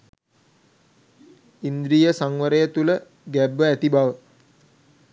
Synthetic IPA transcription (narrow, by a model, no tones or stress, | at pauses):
ind̪ɾijəsaŋʋəɾəjət̪ulə | ɡæbːəæt̪ibaʋə